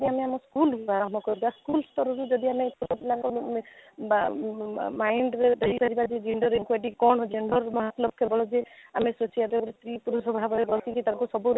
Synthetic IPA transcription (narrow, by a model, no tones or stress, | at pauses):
diameamɔskuluaɾɔmbʱɔkɔɾibaskulst̪ɔɾɔɾud͡ʒɔd̪iamet̪ut̪ɔpilaŋkɔ | majɳɖɾeɾeɦibaɾibad͡ʒed͡ʒiɳɖɔɾenkwaʈikɔɳɔd͡ʒeɳɖɔɾmɔɦat̪lɔb̚kʰebɔɭɔd͡ʒeamesut͡ʃʰiat̪epɔɾest̪ɾipuɾusɔbʱabɔɾebɔltikit̪aɾkusɔbuɾ